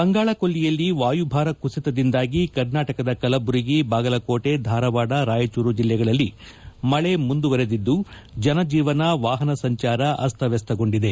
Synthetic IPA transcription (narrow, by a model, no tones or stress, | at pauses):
bɐŋɡaːɭɐkolːijɐlːiʋaːjubʱaːɾɐkusit̪ɐd̪ind̪aːɡikɐɾnaːʈɐkɐd̪ɐkɐlɐbuɾiɡibaːɡɐlɐko̞ːʈe̞d̪ʱaːɾɐʋaːɽɐɾaːjɐt͡ʃuːɾud͡ʒilːɛɡɐɭɐlːi | mɐɭe̞mund̪uʋɐɾed̪id̪ːu | d͡ʒɐnɐd͡ʒiːʋɐnɐʋaːɦɐnɐsɐɲt͡ʃaːɾɐʔɐst̪ʰɐʋɛst̪ɐɡo̞ɳɖid̪e̞